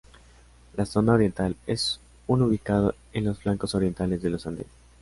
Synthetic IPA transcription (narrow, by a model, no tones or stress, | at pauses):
laso̞naoɾje̞nt̪ales | unuβikað̞o | enlo̞sflaŋko̞so̞ɾje̞nt̪ale̞zðe̞losand̪en